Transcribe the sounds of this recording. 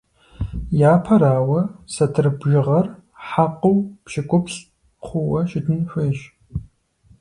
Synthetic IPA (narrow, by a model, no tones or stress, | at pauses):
jaːpʰɐɾaːwɐsɐtʰɨrɨbʒɪʁɐr | ħaqɐwpʃɪkʷʼʊpɕ | χʷʊwɐʃɪdʰɨnɕʷeːʒ